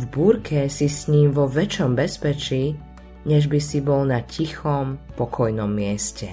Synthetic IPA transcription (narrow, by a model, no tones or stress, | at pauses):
vbuːɾkʰɛsisɲiːmʋɔʋɛt͡ʃɔmbɛspɛt͡ʃiː | ɲɛʒbisibɔlnacʰixɔmpɔkʰɔjnɔmːɪɛscɛ